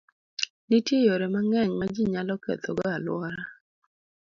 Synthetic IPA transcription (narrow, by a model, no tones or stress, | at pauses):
nitjejoɾemaŋɛɲmad͡ʒiɲalɔkɛ̰t̪ɔɡɔalwɔɾa